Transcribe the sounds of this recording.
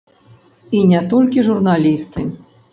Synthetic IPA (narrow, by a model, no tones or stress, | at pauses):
inʲɛt̪ɔlʲkʲiʐurnalʲist̪ɨ